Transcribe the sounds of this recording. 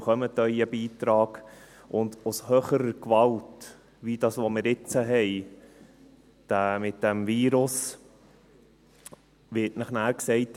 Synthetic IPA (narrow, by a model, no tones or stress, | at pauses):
χœmətœjəbiːtɾɑːɡ̥ | ʔʊndʊshøːχəɾəkʋɑlt | ʋiːd̥ɑːsʋomɪɾɪt͡səɦɛj | d̥æmɪt̚d̥ɛmviːɾʊs | ʋɪtnɑχnæːɾksɛɪt